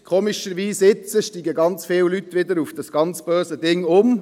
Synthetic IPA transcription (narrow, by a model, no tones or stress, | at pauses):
kʰoːmiʃəɾʋiːsɪt͡səʃtiːɡəɡɑnt͡sfɪllytːʋɪd̪əɾufd̥ɑsɡ̥ɑnt͡sb̥øːsədɪŋʊm